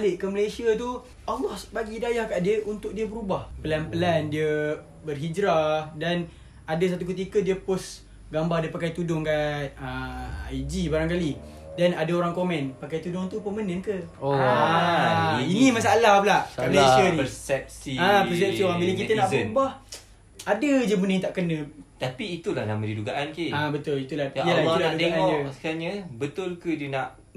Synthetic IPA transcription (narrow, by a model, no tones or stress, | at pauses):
alɪʔkəməlesiət̪u | ɔlɔhsbaɡidajahkaʔdiəʔunt̪ʊk̚diəbəɾubahpəlanpəlandiə | bərɦid͡ʒɾadan | adəs̬at̪uk̬ət̪̬ikədiəpʊs | ɡambardiəpakajt̪udʊŋkan̚əajd͡ʒibaɾaŋkalidanadaoɾaŋkomɛ̃npakajt̪udʊŋt̪upəmənəŋkəoainĩmas̬alaplaalesənəsɛp̚siappəs̬ɛpsiabilak̬it̪ənaʔpambah | adəd͡ʒəmunə̃ŋt̪aʔkənə̃t̪apiːt̪ulahna̰mãdiduɡaʔankeabət̪ʊlit̪ulajəlailaadud̪eaŋʔanɔəskaɲabət̪ʊlkədənãʔ